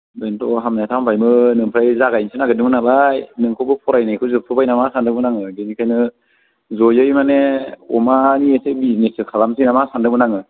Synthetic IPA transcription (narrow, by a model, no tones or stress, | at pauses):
bentɔɦamnajatʰampʰajmɯnɯŋpʰɾajzaɡajnsʰɯnaɡɯdɯŋnalajnɯŋkʰowbɯpʰɔɾajnajkʰɯwzɯpʰɯbajnamasandɯmɯnaŋɯɡenikʰajnɯ | zɔjɯjmaneɔ̰maniesebiznesɯkʰalamsinamasandɯmɯnaŋɯ